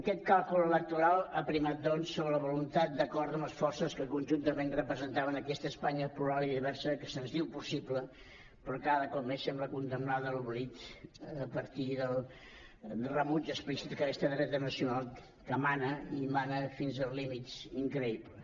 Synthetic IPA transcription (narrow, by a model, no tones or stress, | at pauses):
əkɛt̪̚kalˠkulələk̚t̪uɾalˠəpɾimat̪̚d̪ɔnsːoβɾələβulunt̪at̪̚d̪əkɔɾðəməsfɔrsəskəkunʲʒunt̪əmenrəpɾəzənt̪aβənəkɛst̪əːspaɲəpɾuɾaliðiβɛɾsəkəsənzðiwpusiblə | pɾɔkaðəkɔp̚mesɛmbləkund̪əmnaðəluβlit̪əpəɾt̪iðəlˠ | d̪rəmund͡ʒəspɾisit̪kəkɛst̪əðɾɛt̪ənəsiunalˠ | kəmanəimanəfinzəlˠzlimit̪siŋkɾəiplə